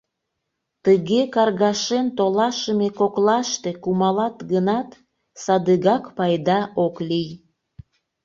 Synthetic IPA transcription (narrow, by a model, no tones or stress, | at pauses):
t̪əɣekɑrɣɑʃent̪olɑʃəmekoklɑʃt̪ekumɑlɑt̪ɡənɑt̪ | sɑd̪əɣɑkpɑjd̪ɑʔoklij